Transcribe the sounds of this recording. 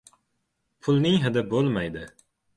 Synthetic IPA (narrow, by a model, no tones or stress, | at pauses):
pʰʊlˠnɪŋɦɪd̪ɪbolˠmajd̪ɪ